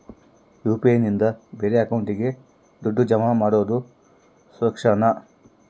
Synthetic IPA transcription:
juːpiejnind̪ɐbe̞ːɾeɐkɐwɳʈiɡe̞ | d̪oɖːud͡ʒɐmamaːɽoːd̪u | sɐkʂɐnɐ

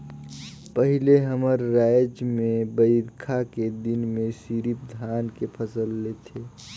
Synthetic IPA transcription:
pəɦɪleɦəməɾːaːjd͡ʒmẽbəɪɾkʰaked̪ɪnmẽsiɾip̚d̪ʱaːnkepʰəsəlːet̪ʰeː

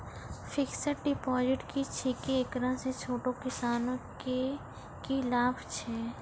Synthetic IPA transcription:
fɪksəʈɖɪpɔːd͡ʒɪʈkit͡ʃʰikiekɾãset͡ʃʰoːʈokɪsaːnõke | kilaːbʱt͡ʃʰɛː

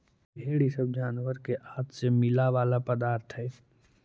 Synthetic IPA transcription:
bʱeːɽisəbd͡ʒaːnʋəɾkeʔaːt̪semɪlaʋaːlapəd̪aːɾt̪ʰɦɛː

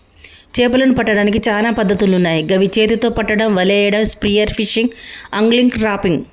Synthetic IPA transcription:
t͡ʃeːpɐlɐnupɐʈːɐɽaːnik̬it͡ʃaːlaːpɐd̪ʱːɐt̪ulunːaːjiɡɐʋit͡ʃeːt̪it̪o̞ːpɐʈːɐɽɐmʋɐlɛːjɐɽɐmspɾijɐɾfʰiʂiŋɡɐŋɡliŋɡɾaːpiŋɡ

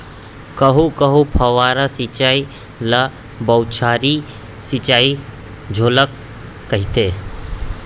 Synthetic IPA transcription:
kɐɦukɐɦupʰɐʋaːɾɐsit͡ʃaːi | lɐ | bɐwt͡ʃʰaːɾi | sit͡ʃaːi | d͡ʒʱoːləkː | ɐɦit̪eː

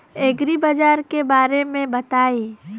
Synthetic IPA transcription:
eːɡɾibad͡ʒaːɾkebaːɾemẽbɐt̪aːi

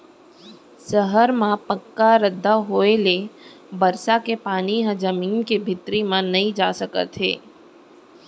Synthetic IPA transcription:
səɦəɾmãpəkːaɾəd̪ʱːaɦoːele | bəɾsakepaːniɦãd͡ʒɐmiːnkebʱɪt̪ɾimãnɐɦĩd͡ʒaːsəkə̰t̪ɦḛː

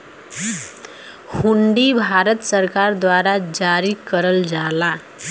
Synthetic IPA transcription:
huɳɖibʱaɾət̪səɾkaɾd̪waɾad͡ʒaɾikəɾəld͡zala

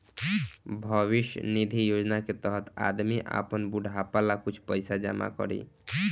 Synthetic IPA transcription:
bʱʌβiʃjə̰nid̪ʱijod͡ʒnaket̪əɦət̪a̰d̪miʔa̰pənbuɖʱapalakut͡ʃʰpəɪsad͡ʒa̰ma̰kɔ̰ɾḭ

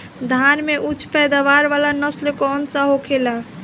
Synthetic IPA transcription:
d̪ʱanmeʔut͡ʃʰpɛd̪aʋaɾʋalanəslekɔnsaɦokʰela

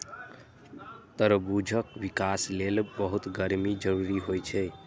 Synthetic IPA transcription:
t̪əɾbud͡ʒʱəkʋikaslelbəɦut̪ɡəɾmid͡ʒəɾuɾiɦojt͡ʃʰɛ

